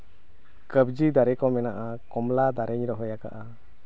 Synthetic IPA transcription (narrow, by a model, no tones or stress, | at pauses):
kəbd͡ʒid̪aɾɛkɔmɛnaʔa | kɔmlad̪aɾʔɛɲɾɔɦɔjaka̰ʔa